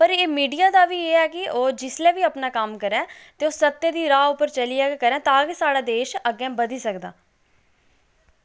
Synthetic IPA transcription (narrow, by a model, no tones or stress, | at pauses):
pəɾeːmiːɖijaːd̪aːʋiːeːɛːkɪoːd͡ʒɪslɛːʋiːəpnaːkəmkəɾɛ̃ːt̪eːoːsət̪ːẽːd̪iːɾaːʊpːəɾt͡ʃəliːɛːekəɾɛ̃ːt̪ãːkisaːɽaːd̪eːʃəɡɛ̃ːbəd̪iːsəkd̪a̰ː